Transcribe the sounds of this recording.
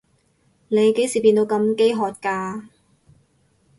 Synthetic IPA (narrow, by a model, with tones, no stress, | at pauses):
ne˨˧jke˨˥jsiː˨˩pi˧nt̪o˨˧wkɐ˧mke˥jɦɔː˨˩t̚kaː˧